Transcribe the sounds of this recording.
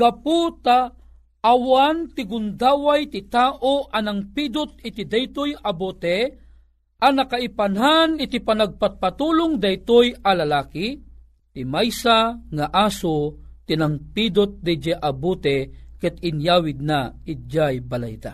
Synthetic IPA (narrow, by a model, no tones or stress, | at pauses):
ɡ̥aput̪a | ʔːwant̪ɪɡʊnd̪aːwajt̪ɪt̪aːʔoʔanaŋpid̪ʊt̪̚ɪt̪id̪ajt̪ojabot̪ɛ | ʔanakaipanɦanɪt̪ipanaɡ̚pat̪̚pat̪uːlʊŋd̪ɐjt̪ojalalaːki | t̪ɪmajsaŋaʔasot̪inaŋpid̪ot̪̚d̪ɛd͡ʒaʔabut̪ɛkɛt̪ɪnjaːwɪd̪̚naɪd͡ʒajbala̰jt̪a̰